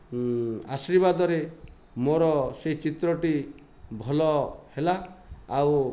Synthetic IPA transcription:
a̰sɾibad̪ɔɾe | moɾɔseɦit͡ʃit̪ɾɔʈi | bʱɔlɔhelaːw

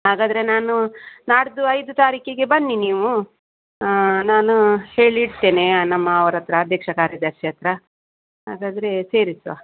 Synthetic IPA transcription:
ɦaːɡaːd̪ɐɾe̞naːnunaːɽd̪uɐjd̪ut̪aːɾiːkeɡe̞bɐnːiniːʋu | naːnuhe̞ːɭiːɖt̪e̞ːne̞nɐmːɐːʋɐɾɐt̪ɾɐːd̪ʱjɐkʂɐkaːɾjɐd̪ɐɾʂjɐt̪ɾɐ | ɦaːɡaːd̪ɐɾe̞se̞ːɾisʋa̰

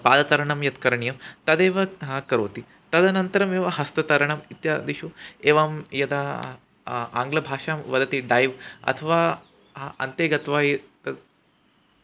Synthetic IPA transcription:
paːd̪ɐt̪ɐɾɐɳɐmjɐt̪kɐɾɐɳijɐmt̪ɐd̪eːʋɐɦaːkɐɾoːt̪i | t̪ɐd̪ɐnɐnt̪ɐɾɐmeːʋɐɦɐst̪ɐt̪ɐɾɐɳɐmit̪jad̪iʃuːeːʋaːmjɐd̪a | a̰ːŋɡlɐbʱaːʃaːmʋɐd̪ɐt̪iːɖajʋɐ̰t̪ʰɐʋaː | ɦaɐnt̪eːɡɐt̪ʋaːjit̪ɐ

